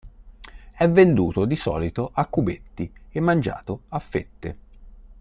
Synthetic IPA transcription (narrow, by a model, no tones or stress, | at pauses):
ɛvend̪uːt̪od̪isɔ̰ːlit̪oʔakːubet̪ːiemːand͡ʒa̰ːt̪oafːet̪ːe